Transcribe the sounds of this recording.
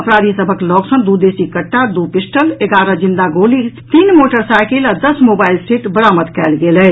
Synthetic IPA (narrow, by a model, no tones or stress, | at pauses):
əpɾaːd̪ʱisəbʱəklɔɡsənd̪ud̪esikəʈːad̪upisʈəleɡaɾəd͡ʒind̪aɡolit̪iːnmoʈəɾsajkelad̪əsmobailsiʈbəɾamət̪kɛːlɡelɛ